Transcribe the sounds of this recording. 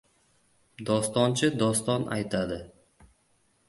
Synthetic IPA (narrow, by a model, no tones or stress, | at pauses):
d̪ɒst̪ɒnt͡ʃʰɪd̪ɒst̪ɒnʔa̰jt̪ʰad̪ɪ